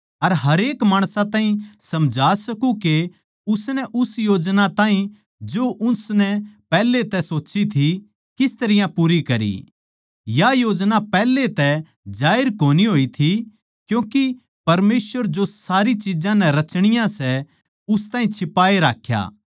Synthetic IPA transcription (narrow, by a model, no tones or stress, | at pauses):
ɐɾɦɐɾeːkmaːɽ̃sãt̪ãːɦĩsɐmd͡ʒʱaːsɐkuke | ʊsnɛʔʊsjoːd͡ʒnãt̪aːĩ | d͡ʒoʔʊnsnɛpɛːlːet̪ɛsoːt͡ʃit̪ʰi | kɪst̪ɐɾɪjãpuːɾikɐɾḭ | jajoːd͡ʒnapɛːlːet̪ɛ | d͡ʒaːɪɾkoːniɦoːit̪ʰi | kjũːki | pɐɾmeːsʋəɾd͡ʒosaːɾit͡ʃɪd͡ʒãnɛɾɐt͡ʃɽ̃ɪjãsɛ | ʊst̪ãːɦĩt͡ʃʰɪpaːeɾa̰ːkʰja̰ː